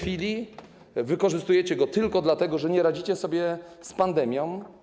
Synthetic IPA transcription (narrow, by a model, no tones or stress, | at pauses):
fʲilʲi | vɘkɔʐɘst̪ujɛt͡ɕɛɡɔt̪ɘlkɔd̪lat̪ɛɡɔʐɛɲɛɾad͡ʑit͡ɕɛsɔbʲjɛspand̪ɛmʲjɔ̃w̃